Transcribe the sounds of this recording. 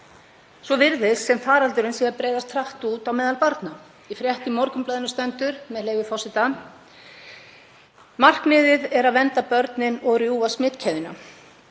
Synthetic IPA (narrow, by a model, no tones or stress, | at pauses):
svɔvɪɾðɪssːɛmfaːɾalt̪ʏɾʏnsjɛaɾpɾeːjðast̪ʰɾaht̪uːt̪awmɛːðalpaɾt̪na | ifɾjɛht̪ɪmɔɾkʏmplœːðɪnʏst̪œnt̪ʏɾ̥mɛðleːjvɪfɔsɪt̪a | mar̥knɪːðɪðɛɾaðvɛnt̪apœɾt̪nɪnɔɣrjuːasmɪːt̪cʰɛːðɪna̰